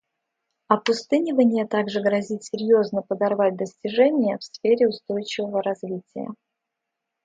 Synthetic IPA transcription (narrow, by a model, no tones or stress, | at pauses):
ɐpʊst̪ɨnʲɪvənʲɪjət̪aɡʐɨɡɾɐzʲitʲsʲɪɾʲjo̞znəpəd̪ɐrvat̚ʲd̪əsʲtʲɪʐɛnʲɪjəfsfʲeɾʲɪʊst̪o̞jt͡ɕɪvəvəɾɐzvʲitʲɪjə̰